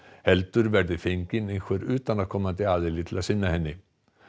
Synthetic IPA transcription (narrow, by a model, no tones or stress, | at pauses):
hɛlt̪ʏɾvɛɾðɪfɪŋkɪnenkʰœɾʉːt̪anaðkʰɔmːat̪ɪaːðɛlɪt̪ʰɪlasɪnːahɛnːɪ